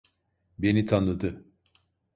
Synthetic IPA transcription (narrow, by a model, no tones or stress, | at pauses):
be̞nit̪ʰanlˠɯd̪ɯ